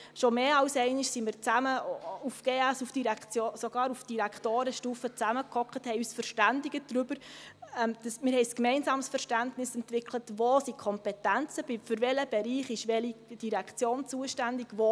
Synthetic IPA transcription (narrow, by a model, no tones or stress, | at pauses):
ʃomeːɑwsɛɪnɪʃsimiːɾt͡sæməufɡ̥eːæsufd̥iɾækt͡sjosoɡ̥ɑːɾufd̥iɾækχtoːɾəʃtuːfət͡sæməkʰɔkχəthɛɪyːsfəɾʃtændɪɡəd̥ɾʏb̥əɾɛmd̥ɑsmɪːɾhɛɪskmɛɪnsɑːmsfəɾʃtæntnɪsɛntvɪklətvoːsikʰɔmpɛtænt͡səb̥ifʏɾvɛləb̥ɛɾiːχɪʃʋɛlid̥iɾækʰt͡sjoːnt͡suəʃtændɪɡ̥vo